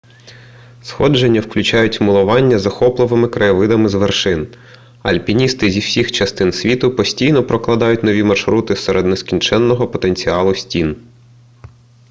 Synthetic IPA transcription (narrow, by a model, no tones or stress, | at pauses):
sxɔ̰d͡ʒenʲːɐwklʲʊt͡ʃɑjʊtʲmʊlˠʊʋɑnʲːɐzɐxɔplˠʊʋɪmɪkɾɐjʋɪd̪ɐmɪzʋerʃɪn | ɐ̰lʲpʲinʲist̪ɪzʲiwsʲixt͡ʃɐst̪ɪnsʲʋʲit̪ʊpɔsʲtʲijnɔpɾɔklˠɐd̪ɑjʊtʲnɔʋʲimɐrʃɾut̪ɪseɾed̪neskʲinʲt͡ʃɛnːɔɦɔpɔt̪enʲt͡sʲiɑlˠʊsʲtʲin